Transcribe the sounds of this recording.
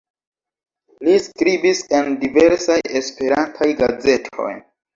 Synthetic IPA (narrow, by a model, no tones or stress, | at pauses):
liskɾibise̞ndive̞ɾsajespe̞ɾantʰajɡaze̞tʰo̞̰j